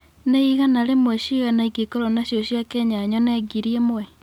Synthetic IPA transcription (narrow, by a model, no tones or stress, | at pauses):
neiɣanaɾemwɛɕiɣanaikikoɾɔnaɕjoɕjakɛɲaɲɔnɛɡiɾiemwɛ